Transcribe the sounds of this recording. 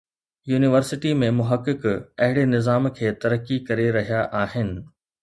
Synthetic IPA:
juːnɪʋəɾsɪʈimẽmʊɦəkːɪkɐɦɪɽenɪzaːmkʰeːt̪ɐɾəkːikɐɾeɾɐɦijaʔaːhɪnɪ̆

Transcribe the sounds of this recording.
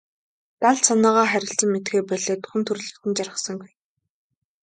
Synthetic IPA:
t̪aɮsanɔːʁaːχæɾʲɪ̆ɬt͡sə̆mmet̪ɡeːpœɮeːt̪ʊ̥χɘ̆nt̪ʰɵr̆ɮɘ̆kt̪ɘ̆nt͡ɕarə̆sə̆ŋɡij

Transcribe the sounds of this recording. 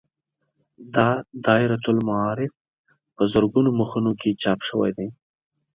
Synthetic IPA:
d̪ɑd̪ɑɪɾat̪ʊlmaɑɾɪf | pəzəɾɡunoməxunokʰet͡ʃɑpʃəwa̰jd̪aj

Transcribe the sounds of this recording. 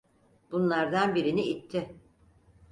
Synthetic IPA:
b̥unlˠaɾd̪anbiɾiniːt̪ʰːɪ

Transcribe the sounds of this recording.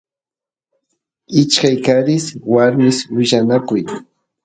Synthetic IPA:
ɪt͡ʃkajkaɾɪswaɾmɪswɪʃanakʊj

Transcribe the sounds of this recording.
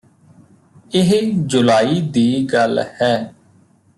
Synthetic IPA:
ɪɦd͡ʒʊlaːiːd̪iːɡəlhɛː

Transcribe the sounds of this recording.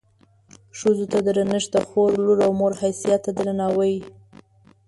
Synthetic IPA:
ʃozot̪ad̪əɾənəʃt̪axoɾluɾawmoɾhajsijat̪ːad̪əɾanɑwəji

